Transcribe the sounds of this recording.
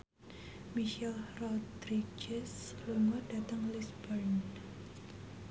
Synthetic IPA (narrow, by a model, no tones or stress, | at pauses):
miʃɛlrɔd̪ɾid͡ʒɛsluŋɔdat̪əŋlisbərn